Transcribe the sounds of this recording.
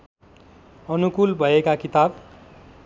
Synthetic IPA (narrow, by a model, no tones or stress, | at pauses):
ʌnukulbʱʌekakit̪ab